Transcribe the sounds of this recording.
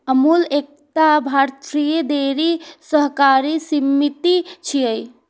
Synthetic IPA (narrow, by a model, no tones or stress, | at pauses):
əmulek̚t̪abʱaɾt̪ɾijed̪eɾisəɦkaɾisimːit̪it͡ʃʰijəj